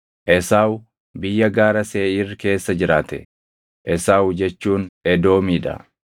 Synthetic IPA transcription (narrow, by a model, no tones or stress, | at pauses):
ʔɛsaːwʊ | bɪjːɐɡaːɾɐse̞ːɪrke̞ːsːɐd͡ʒɪɾaːt̪ɛ̰ | ʔɛsaːwʊd͡ʒɛt͡ʃːuːnɛd̪o̞ːmiːᶑɐ̰